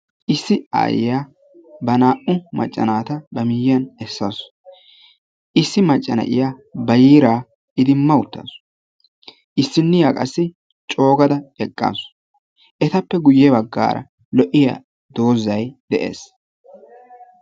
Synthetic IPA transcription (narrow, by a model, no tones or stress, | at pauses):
ʔɪsːɪa̰ːjɪ̰jaː | bɐnaːʔʊmɐ̰t͡ʃʼːɐ̰naːt̪ɐbɐmɪjjɐnɛsːɐs | ʔɪsːɪmɐt͡ʃʼːɐnɐ̰ʔɪjabɐjiːɾaː | ɪd̪ɪmːɐʊt̪ːa̰ːs | ʔɪsːɪnːɪjaːkʼɐsːɪ | t͡ʃʼo̞ːɡɐd̪ɐɛkʼːa̰ːs | ʔɛt̪ɐpːɛɡʊjːɛbɐɡːa̰ːɾɐ̰ | lɔʔɪjɐ̰ | d̪o̞ːzːɐjd̪̥ɛʔḛːs